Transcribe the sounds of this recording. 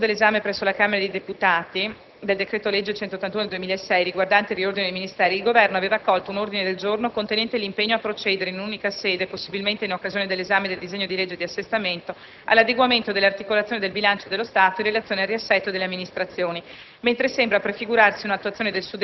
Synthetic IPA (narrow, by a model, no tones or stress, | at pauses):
d̪elːezaːmepɾɛsːolakameɾad̪ed̪eput̪aːt̪i | d̪eld̪ekɾɛːt̪oled͡ʒːet͡ʃɛnt̪ot̪ːant̪unod̪eld̪uemilaesːɛjriɡward̪ant̪eiriord̪inedejminist̪ɛːɾiilɡovɛrnoaveːvakːɔlt̪ounord̪ined̪eld͡ʒornokont̪enɛnt̪elimpeɲːoapːɾot͡ʃɛːd̪eɾeinununikaseːd̪eposːibilment̪einokːazioned̪elːezaːmed̪eld̪izeɲːod̪iled͡ʒːed̪iasːest̪ament̪o | a̰lːad̪eɡwament̪od̪elːart̪ikolat̪sjoːned̪elbilant͡ʃod̪elːost̪aːt̪oirelat̪sjoːneariasːɛt̪ːod̪eleamːinist̪ɾat̪sːjoːni | ment̪ɾesembɾapɾefiɡuɾarsiunat̪ːuat̪ːjoːned̪elsud̪